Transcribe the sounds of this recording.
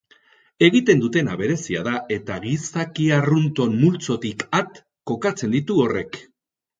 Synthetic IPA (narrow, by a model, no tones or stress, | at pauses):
e̞ɣit̪e̞nd̪ut̪e̞naβe̞ɾe̞sia̰ðae̞t̪aɣisakiarunt̪o̞nmult͡so̞t̪ikat̪ | ko̞kat͡se̞nd̪it̪uo̞re̞k